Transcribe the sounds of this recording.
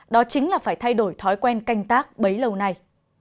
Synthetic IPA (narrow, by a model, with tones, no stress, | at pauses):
ɗɔ˨˦t͡ɕï˨˦ŋ̟laː˨˩faː˧˩jt̪ʰa˧jɗo˧˩jt̪ʰɔ˨˦jkwɛ˧nka˧jŋ̟t̪aː˦˥k̚ɓə˨˦jlə˨˧˩wna˧˩j